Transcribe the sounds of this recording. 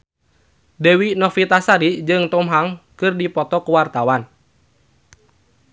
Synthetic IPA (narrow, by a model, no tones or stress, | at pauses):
dewinɔfit̪asaɾid͡ʒɨŋt̪ɔmɦaŋkɨrdipɔt̪ɔkəwart̪awan